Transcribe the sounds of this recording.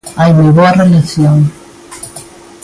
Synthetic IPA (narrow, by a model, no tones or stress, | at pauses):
ajmejβoarelaθjoŋ